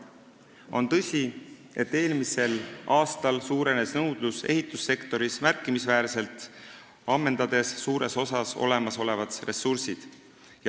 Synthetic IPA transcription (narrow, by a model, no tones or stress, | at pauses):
o̞nt̪ɤ̞sʲi | e̞t̪ːe̞ːlmise̞lɑːst̪ɑlsuːɾe̞ne̞snɤwd̪̥luse̞̰ɦit̪ːˑusːe̞kt̪o̞ɾismærkːˑimisvæːɾse̞lt̪ˑ | ɑmːe̞nd̪̥ɑd̪̥e̞sːuːɾe̞so̞sɑso̞̰le̞mɑso̞le̞vɑd̪re̞sːursid̪̥ | j